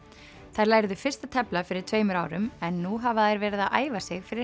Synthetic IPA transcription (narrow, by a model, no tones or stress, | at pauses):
θajɾlaːjɾðʏfɪr̥st̪at̪ʰɛplafɪɾɪɾt̪ʰveːjmʏɾaːwɾʏmɛnːuɦavaðajɾvɛːɾɪðaðʔa̰ːjvasɪɣfɪɾɪ